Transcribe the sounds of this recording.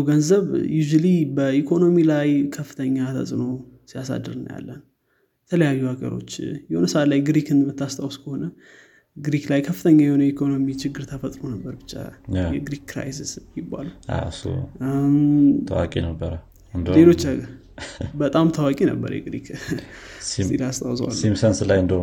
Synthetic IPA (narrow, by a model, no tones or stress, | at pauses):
ɡənzəβjuʒulibəʔikʰo̞no̞milajkʰəfːɨ̥t̪ʰəɲːat̪ʰə̰sʼno̞sijasa̰d̪ɨɾɨn̰ja̰lːən | jɛt̪ʰələjajːuhaɡə̰ɾo̞̰t͡ʃːjɛhonəsəat̪lajɡɾikɨnmət̪ʰːast̪ʰawskʰəho̞nə | ɡɾiklajkʰəfːɨt̪ʰəɲːajɛhonəjikʰo̞no̞mit͡ʃɪɡːɨɾt̪ʰəfət̪ʼɾonəbːəɾbɨt͡ʃːa̰jɛɡɾikːɾa̰jsisjɪbːa̰lua̰sṵmt̪ʰə̰wakʼinəbːəɾə | ɨnd̪lelo̞t͡ʃːaɡ | bət̪ʼamt̪ʰəwakʼinə̰bːə̰ɾjɛ̰ɡɾḭkʰ | silast̪ʼa̰wswa̰lːimsənslajɨnd̪ə